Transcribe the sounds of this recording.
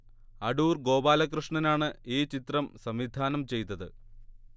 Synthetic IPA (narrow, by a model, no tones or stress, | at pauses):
ɐɽuːrɡo̞ːbaːlɐk̬rɨʂɳɐnaːɳɨiːt͡ɕit̪rɐmsɐmʋid̪ʱaːnɐmt͡ɕe̞jt̪ːɐðɨ